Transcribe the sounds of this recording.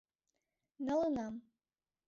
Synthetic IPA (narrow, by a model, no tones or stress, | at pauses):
nɤlˠɤnɑm